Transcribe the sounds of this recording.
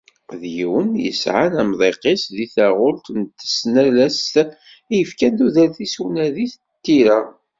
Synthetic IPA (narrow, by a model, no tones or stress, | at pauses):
ðjiwənjə̰sʕanæmðˤeqesðiθæʁʊlt̪nt̪ːə̥snælæst̪ | jəfkænd̪uðəɾθiswnæðiθ | t̪ːiɾæ